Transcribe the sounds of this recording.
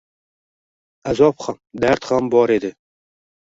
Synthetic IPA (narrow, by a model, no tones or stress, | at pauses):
azɒpχamd̪æɾt̪χambɒɾed̪ɪ